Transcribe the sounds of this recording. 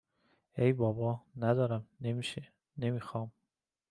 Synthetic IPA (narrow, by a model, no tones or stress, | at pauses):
ejbɒːbɒːnæd̪ɒːɾæmnemiːʃe | ne̞miːxɒːm